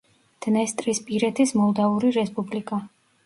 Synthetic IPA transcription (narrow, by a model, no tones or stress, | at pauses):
d̪̥nɛst̪ʼɾispʼiɾɛt̪ʰismɔlˠd̪auɾiɾɛspʼublikʼa